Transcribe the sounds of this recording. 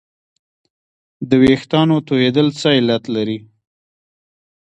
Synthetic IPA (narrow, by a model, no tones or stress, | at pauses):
d̪əwext̪ɑnot̪ohed̪əlt͡səɪlat̪laɾi